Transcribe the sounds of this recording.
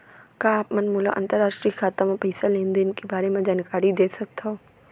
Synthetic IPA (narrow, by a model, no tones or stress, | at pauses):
kaːpmɐnmuːla̰ʔɐ̰̃nt̪əɾːaːʃʈɾikʰaːt̪amẽpɐɦisalẽːnd̪eɪnkebaːɾemẽd͡ʒaːnkaːɾid̪eːsɐk̚t̪aɦoː